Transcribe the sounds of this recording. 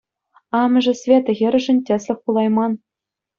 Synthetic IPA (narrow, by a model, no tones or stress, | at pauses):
ɑmɤ̆ʐɘ̆sʲvʲet̪ɘ̆ɣʲɘ̆ɾʲɘ̆ʐɘ̆nʲtʲɘ̆sʲlʲɘ̆xʲpulˠɑjmɑn